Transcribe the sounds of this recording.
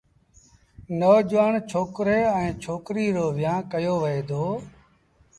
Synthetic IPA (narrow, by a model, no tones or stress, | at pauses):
noːd͡ʒʋaːɳt͡ʃʰoːkɾeːɛ̃ːt͡ʃʰoːkɾiːɾoːʋɪjãːkəjoːʋəeːd̪ʱoː